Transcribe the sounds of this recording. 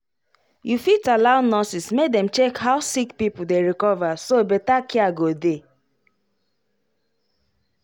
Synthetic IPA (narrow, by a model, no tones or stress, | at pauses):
jufitalaʊnːɔsismekdɛ̃mt͡ʃekɦaʊsikpipʊdeɹikɔvasobetakiaɡode